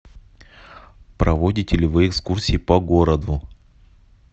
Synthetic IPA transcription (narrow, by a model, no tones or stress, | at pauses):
pɾɐvodʲɪtʲɪlʲɪvɨɛkskursʲiːpɐɡo̞ɾəd̪ʊ